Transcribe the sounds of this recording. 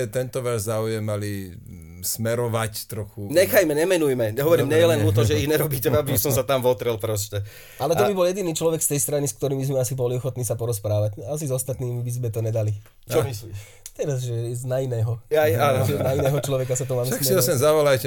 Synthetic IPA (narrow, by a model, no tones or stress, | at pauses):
t̪ɛnt̪ɔʋaːzzaujɛmali | smɛɾɔʋact̪ɾɔxuɲɛxajmɛɲɛmɛnujmɛɲɛɦɔʋɔɾiːmɲɛjɛlɛnɔt̪ɔʒɛiɣɲɛɾɔbiːcɛabisɔmsat̪amʋɔt̪ɾɛlpɾɔs̬cɛ | ʔalɛt̪ɔbibɔljɛd̪iniːt͡ʃlɔʋɛkst̪ɛjst̪ɾaniskt̪ɔɾiːmbizmɛasibɔliɔxɔt̪niːsapɔɾɔspɾaːʋacas̬izɔst̪at̪niːmibizmɛt̪ɔɲɛd̪ali | t͡ʃɔmisli | t̪ɛɾazʒɛɛznainɛːɦɔajaːnʒɛnainɛːɦɔt͡ʃlɔʋɛkasat̪ɔmaːmɛakksiassɛmzaʋɔlajcɛ